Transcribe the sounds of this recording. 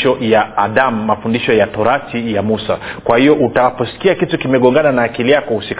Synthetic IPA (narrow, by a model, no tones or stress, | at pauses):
ʃɔjaːɗam̩ːafundiʃɔjatɔɾatijamusa̰kwahijɔʔutapɔsi̥kiakitukimɛɠɔŋɡananaːkilijakɔhusik